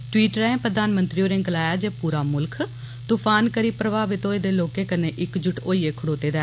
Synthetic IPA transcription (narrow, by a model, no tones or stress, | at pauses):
ʈʊwiːʈɾɛ̃ːpɾəd̪aːnmənt̪ɾioːɾẽɡəlaːjaːd͡ʒeːpuːɾaːmʊlkʰ | t̪ʊpʰaːnkəɾiːpɾəʋaːʋɪt̪oːeːd̪eːloːkẽːkənẽːʔɪkd͡ʒʊʈoːiːeːkʰʊɽoːt̪eːd̪ɛː